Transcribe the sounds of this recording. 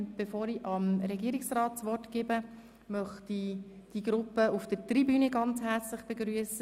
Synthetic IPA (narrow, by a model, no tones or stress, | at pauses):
b̥efoːɾiʔɑmɾɛɡiəɾiksrɑːtt͡sʋɔɾtɡ̥ɪbə | mœχtid̥iɡɾʊpːəufd̥̪əɾtribyːnəɡɑnt͡shɛɾt͡slɪχb̥eɡɾyəsə